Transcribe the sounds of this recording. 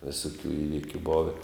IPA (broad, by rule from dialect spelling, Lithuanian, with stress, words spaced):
ʋʲɪsʊˈkʲuː ˈiːʋʲɪkʲʊ ˈboːʋʲɛ